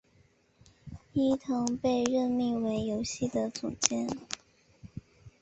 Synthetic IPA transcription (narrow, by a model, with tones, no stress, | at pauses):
i˥t̪ʰɤ˧˥ŋpe˥˧ɪɻə˥˧nmi˥˩ŋwe˧˥ɪjo˧˥ʊɕi˥˩d̪ə˩t͡sṵ˨˩t͡ɕjɛ˥n